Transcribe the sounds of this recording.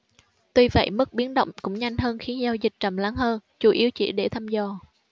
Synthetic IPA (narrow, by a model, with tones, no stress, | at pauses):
t̪wi˧və̰˧˨jmɨ˦˥k̚ɓi˨˦ənɗə̰˧˨wŋ͡mkʊ̰˧˥ŋ͡mɲa˧jŋ̟ɦəː˧nxi˨˦ənzaː˧wzï˨˩k̟̚t͡ɕə˨˩mla˨˦nhəː˧nt͡ɕu˧˩ʔi˨˦əwt͡ɕḭ˧˩ɗe˧˩t̪ʰaː˧mzɔ˧˩